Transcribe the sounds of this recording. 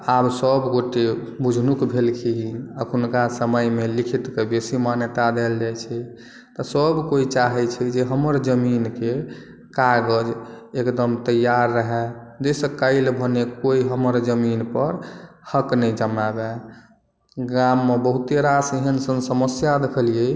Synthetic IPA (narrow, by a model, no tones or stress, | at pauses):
absəbɡoʈe | bud͡ʒʱnukbʱelkʰiɦiəkʰunkasəməjmelikʰit̪kebesimanjət̪ad̪eld͡ʒajt͡ʃʰɛ | t̪ɔsəbkoit͡ʃaɦɛt͡ʃʰɛd͡ʒeɦəməɾd͡ʒəminke | kaɡəd͡ʒ | ekd̪əmt̪əjaɾːəɦɛd͡ʒesəkaɪlbʱənekoiɦəməɾd͡ʒəminpəɾhəknəd͡ʒəmabɛ | ɡamːebəɦut̪eɾasiɦənsənsəməsjad̪ekʰəlije